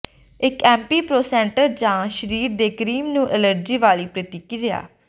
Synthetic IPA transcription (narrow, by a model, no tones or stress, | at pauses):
ɪkɛ̃ːmpiːpɾoːsɛ̃ːɳʈəɾd͡ʒãːʃəɾiːɾd̪eːkɾiːmnũːʔələɾd͡ʒiːʋaːliːpɾət̪ikiɾɪja̰ː